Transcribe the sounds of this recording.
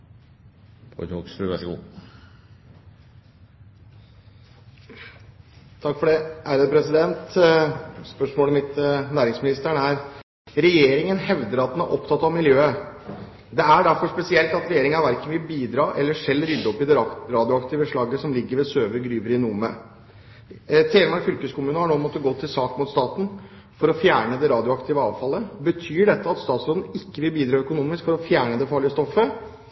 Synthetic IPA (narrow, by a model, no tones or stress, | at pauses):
pʰoksfʉæɡṵː | t̪ʰɑkːfɔɖɛæɾəpʰɾɛsɪd̪ɛnt̪ | spœʂmoːləmɪt̪næːɾɪŋsmɪnɪst̪æɳæɾ | ɾɛjeːɾɪŋənhɛʋd̪əɾɑt̪̚d̪ɛnæɾʔɔpt̪ʰɑt̪ːɑʋmɪljøːə | d̪ɛæɖæɾfɔʂpɛsɪɛlt̪ɑt̪ɾɛjeːɾɪŋɑʋæɾkənʋɪlbiːd̪ɾɑːʔɛlːəʂɛlːɾʏd̪ːɔpːɪd̪ɛɾɑːd̪ɪʊɑkt̪ɪʋəʂɭɑɡːəsɔmlɪɡːəɾʋɛsøːʋəɾɡɾyːʋəɾɪnumə̰ | t̪ʰeːɾəmɑɾfʏlkəskʊmʉːnəhɑɳoːmɔt̪ːəɡoːt̪ʰɪlsɑːkmʊt̪st̪ɑːt̪n̩ | fɔɾɔfjæːɳəd̪ɛɾɑːd̪ɪʊɑkt̪ɪʋəɑːʋfɑlːəbət̪ʰyːɖɛt̪ːəɑt̪st̪ɑːt̪sɾoːd̪n̩ɪkːəʋɪlbiːd̪ɾɑːœkʊnuːmɪskfɔɾɔfjæːɳəd̪ɛfɑːɭɪəst̪ɔfːə